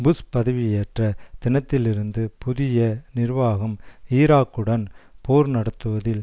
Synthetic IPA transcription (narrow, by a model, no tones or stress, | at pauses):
bʊspɐðɐʋijeːʈrɐt̪ɪnɐt̪ːɪlɪɾɯnd̪ɯpʊðɪjɐnɪɾʋaːɣɐmiːɾaːkːɯɽɐnpoːɾnɐɽɐt̪ːɯʋɐðɪl